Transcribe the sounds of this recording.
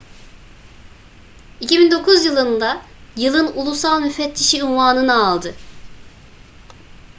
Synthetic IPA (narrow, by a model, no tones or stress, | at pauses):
icibind̪o̞kʰuzjɯlˠɯnd̪a | jɯlˠɯnulˠusalˠmyfɛt̪ʰːiʃiynvaːnɯnaaːlˠd̪ɯ